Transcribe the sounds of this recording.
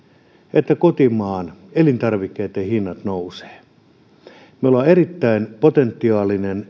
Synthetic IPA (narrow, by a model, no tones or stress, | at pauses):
et̪ːækot̪imɑːnelint̪ɑrʋikːeit̪ːehinːɑt̪nouse̥ː | meolɑerit̪ːæinpot̪ent̪ːiɑːlinen